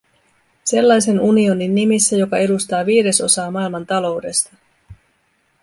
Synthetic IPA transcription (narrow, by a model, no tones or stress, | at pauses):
se̞lːɑjse̞nunio̞ninːimisːæjo̞kɑe̞dust̪ɑːʋiːɾe̞so̞sɑːmɑilmɑnt̪ɑlo̞wde̞st̪ɑ